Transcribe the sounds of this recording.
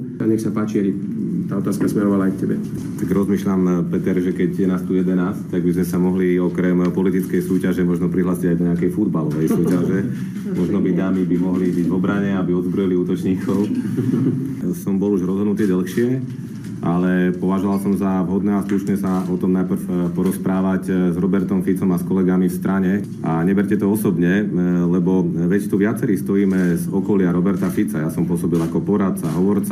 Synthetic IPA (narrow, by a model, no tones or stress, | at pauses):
aɲɛxsapaːt͡ʃiabi | t̪aːɔt̪aːskasmɛɾɔʋalaajkcɛbɛ | t̪aɡɾɔzmiːʃʎampɛt̪ɛɾʒɛkɛɟjɛnaːst̪ujɛd̪ɛnaːsct̪aɡbizmɛsamɔɦliɔkɾɛmpɔlit̪it͡skɛjsuːcaʒɛmɔʒnɔpɾiɦlaːsiɟajd̪ɔɲɛakɛjfud̪balɔʋɛjsuːcaʒɛ | mɔʒnɔbid̪aːmibimɔɦlibiɟʋɔbɾaɲɛabiɔd̪zbɾɔjiliuːt̪ɔt͡ʃɲiːkʰɔʊ | sɔmbɔluʒɾɔzɦɔd̪nut̪iɛɟɛlxʃɪɛ | ʔalɛpɔʋaʒɔʋalsɔmzaʋɦɔd̪nɛːasluʃɲɛsaɔt̪ɔmnajpr̩fpɔɾɔspɾaːʋaczɾɔbɛɾt̪ɔmfit͡sɔmaskɔlɛɡamifst̪ɾʔaɲɛ | a̰ɲɛbɛɾcɛt̪ɔɔsɔbɲɛlɛbɔʋɛct̪uʋɪat͡sɛɾiːst̪ɔjiːmɛzɔkɔlɪaɾɔbɛɾt̪afit͡sajasɔmpʊɔsɔbilakɔpɔɾat̪̚t͡saɦɔʋɔɾt͡sa